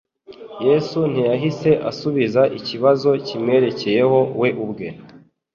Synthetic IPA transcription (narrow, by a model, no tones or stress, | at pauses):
jesun̥ijaɦise̞ʔa̰suβizaʔiciβazo̞cimŋe̞ːɾe̞ce̞je̞ho̞we̞ʔubɡe̞